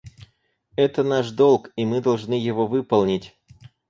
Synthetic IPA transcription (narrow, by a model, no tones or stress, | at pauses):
ɛt̪ənaʂd̪olˠkimɨd̪ɐlˠʐnɨjɪvovɨpəlˠnʲɪtʲ